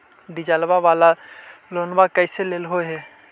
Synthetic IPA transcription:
d̪ɪd͡ʒalbaʋaːlaloːnbakəɪseleːlɦoɦɛ

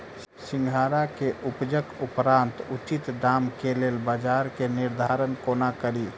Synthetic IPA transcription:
sɪŋɡʱaːɾakeʔʊpd͡ʒəkʊpɾãːnt̪ut͡ʃit̪ɖaːmkeleːlbad͡ʒaɾkenɪɾd̪ʱaɾənkoːnakəɾi

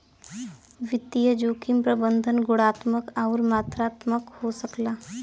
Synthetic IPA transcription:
ʋɪt̪ːijəd͡ʒoːkimpɾəbə̃nd̪ʱənɡʊɽaːt̪məkaʊɾmaːt̪ɾaːt̪məkhosəklaː

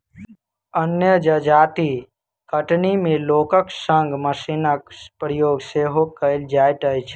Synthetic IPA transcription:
ənjəd͡ʒəd͡ʒaːt̪i | kəʈnimẽloːkəksə̃ŋɡməsinakpɾəjoːɡseːɦokəld͡ʒaːjʈəjt͡ʃʰ

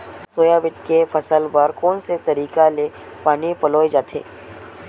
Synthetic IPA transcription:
ssoːjabɪt̪kefʰɐsəlbaɾkoːnset̪ɐɾiːkale | paːnipɐloːjd͡ʒaːt̪ʰḛː

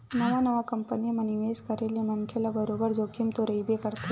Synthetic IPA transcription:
nɐʋanɐʋakɐmpənimɐniʋeːskɐɾelemɐnkʰelabɐɾoːbəɾd͡ʒoːkʰimt̪oɾɐibʱekɐɾt̪e

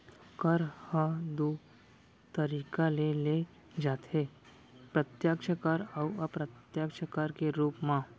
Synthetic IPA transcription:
kəɾhəd̪u | t̪əɾiːkalele | d͡ʒaːt̪e | pɾət̪jakʃəkaɾɐwɐpɾət̪jaːkʃəkaɾkeɾuːpmã

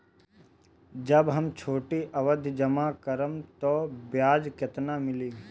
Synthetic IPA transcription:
d͡ʒəbɦɐmt͡ʃʰoːʈiʔɐʋəd̪ʱd͡ʒəmakəɾəmt̪oːbjaːd͡ʒkjɐt̪namɪliː

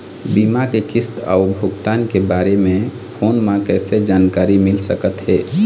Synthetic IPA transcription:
biːmakekɪst̪ɔ̰ːʊbʱʊɡt̪aːnkebaːɾemẽ | pʰoːnmãkɛːsed͡ʒaːnkaːɾimɪlsəkət̪ɦɛː

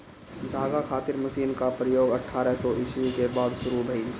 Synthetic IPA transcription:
d̪ʱaːɡakʰaːt̪ɪɾmɐsiːnkapɾəjoːɡɐʈʰːaːɾɛɦsɔʔɪʃwikebaːd̪ʃʊɾubʱɐi

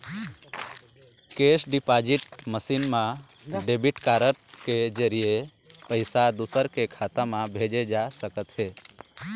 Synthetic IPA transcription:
kesɖɪpad͡ʒiʈməsinmãɖebiʈkaːɾəʈked͡ʒəɾije | pəɪsad̪usəɾkekʰat̪əmãbʱed͡ʒed͡ʒasəkət̪ɦe

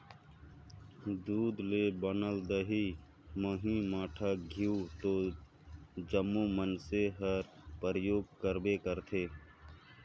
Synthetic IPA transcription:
d̪uːd̪lebənəld̪əɦi | məɦĩmaːʈʰaɡʱiut̪oː | d͡ʒəmːumənseɦəɾpəɾəjoːɡ̚kəɾbekəɾt̪ʰeː

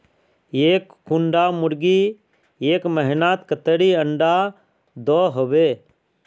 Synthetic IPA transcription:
eːkːuɳɖamʊɾɡi | eːkməɦɪnaːt̪kət̪əɽiəɳɖa | d̪ɔːɦobeː

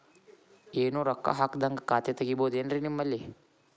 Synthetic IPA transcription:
eːnuɾɐkːa̰ɦaːkd̪ɐŋɡɐkaːt̪jɐt̪ɐɡiboːd̪enɾinimːɐlːi

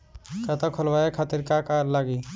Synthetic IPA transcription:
kət̪akʰəlbaekʰat̪iɾkakalaɡi

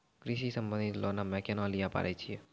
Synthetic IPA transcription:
kɾiʃisə̃mbə̃nd̪it̪lonamɛkenalijapa̰ːɾɛt͡ʃʰie

